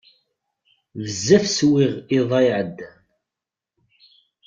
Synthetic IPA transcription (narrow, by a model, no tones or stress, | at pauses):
vəzːæfswɪʁɪðˤɑjʕəd̪ː